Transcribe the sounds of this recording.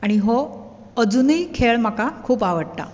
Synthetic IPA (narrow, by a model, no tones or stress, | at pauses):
aɽ̃iɦo | əd͡zunijkʰeɭm̤akakʰuːpaʋəɽʈ̪a̰